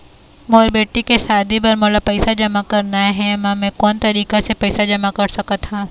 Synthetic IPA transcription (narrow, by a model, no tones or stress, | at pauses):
moːɾbeːʈikeʃaːd̪ʱipɐɾmoːlapɛɪsad͡ʒɐmakɐɾnaɦɛmãmɛ̃kɔːnt̪ɐɾiːkesepɛɪsad͡ʒɐmakɐɾsɐkat̪ʰãː